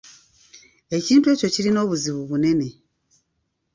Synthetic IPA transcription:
e̞ciːntue̞ːco̞ciɾino̞ːβuziβuβune̞ne̞

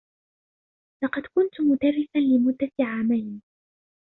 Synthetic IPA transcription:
lɑqɑd̪kʊnt̪ʊmʊd̪arːɪfanlɪmʊd̪ːaʕaːmajn

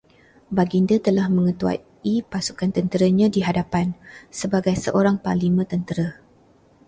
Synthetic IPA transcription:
baɡindət̪əlahmə̃ŋə̃t̪ua̰ | ipasukant̪ənt̪əɾəɲãdiɦadapansəbaɡajsəʔoɾaŋpalimə̃t̪ənt̪əɾə

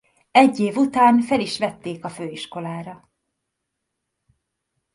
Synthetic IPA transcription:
ɛɟːeːvut̪aːnfɛliʃʋɛt̪ːeːkɒføːiʃko̞laːɾɒ

